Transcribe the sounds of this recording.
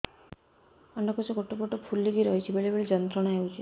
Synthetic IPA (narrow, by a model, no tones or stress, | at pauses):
ɔɳɖɔkosɔɡoʈoboʈɔpʰulːiɡiɾɔɦit͡ʃʰibeɭibeɭid͡ʒɔnt̪ɾɔɽ̃aɦewt͡ʃʰi